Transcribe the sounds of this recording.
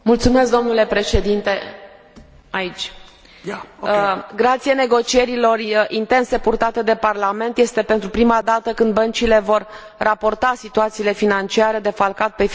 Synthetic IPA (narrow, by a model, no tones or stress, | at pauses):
mult̪sumesk̚d̪o̞mnule̞pɾe̞ʃe̞d̪int̪e̞ | ait͡ʃʲ | ɡɾat̪sijene̞ɡo̞t͡ʃije̞ɾilo̞rint̪e̞nse̞purt̪at̪e̞d̪e̞parlame̞nt̪je̞st̪e̞pe̞nt̪ɾupɾimad̪at̪əkɨnd̪bənt͡ʃile̞vo̞rː | ʔapo̞rt̪asit̪uat̪siːle̞finant͡ʃiaɾe̞d̪e̞falkat̪̚pe̞